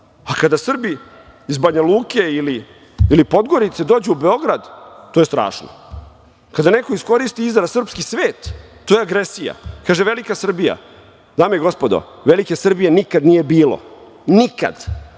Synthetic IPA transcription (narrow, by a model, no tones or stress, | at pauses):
akad̪asr̩biː | zbaɲaluːke̞iliː | lipo̞d̪ɡo̞ɾit̪se̞d̪o̞ːd͡ʑɛube̞o̞ɡɾad̪t̪ːoje̞st̪ɾa̰ːʃno̰ | kad̪anekoisko̞ɾist̪iizaɾasr̩pskisʋeːt̪ː | ojeaɡɾesija̰kaːʒeʋe̞likasr̩bija̰ | d̪aːmeeɡo̞spod̪o̰ | ʋelikesr̩bije̞nikad̪nije̞biːlo̰ | nika̰d̪